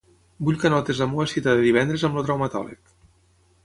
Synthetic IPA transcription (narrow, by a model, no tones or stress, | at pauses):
buʎkənɔt̪ezamuəsit̪aðeðiβ̞ɛnd̪ɾezəmlot̪ɾawmət̪ɔ̰lḭk